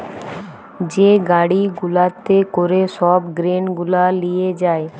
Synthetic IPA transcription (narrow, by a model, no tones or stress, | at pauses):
d͡ʒeɡaɽiɡʊlat̪ekoɾesɔbɡɾenɡʊlalijed͡ʒaːe